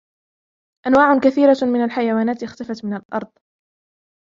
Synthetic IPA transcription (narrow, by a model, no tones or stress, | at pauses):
ʔanwaːʕʊkaθiːɾamɪnalħajawaːnaːt̪ɪxt̪afat̪mɪnalʔɑ̰ɾˤd̪ˤ